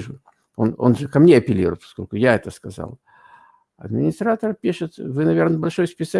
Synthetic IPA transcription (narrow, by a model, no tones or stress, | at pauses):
ʐʊ | o̞̰no̞̰nʐɨkɐmnʲeɐpʲɪlʲḭɾʊ̰jt̪pɐ̥sko̞lʲkʊjaɛt̪əskɐza̰lˠ | ɐ̰d̪mʲɪnʲɪst̪ɾat̪ərpʲiʂɨt̪vɨnɐvʲe̞rnəbɐlʲʂo̞jspʲɪt̪sɐ